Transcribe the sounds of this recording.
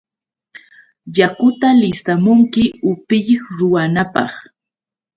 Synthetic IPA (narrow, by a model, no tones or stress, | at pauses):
jakʊt̪alɪst̪amʊŋkɪʊpɪʎχɾʊwanapɑ̰χ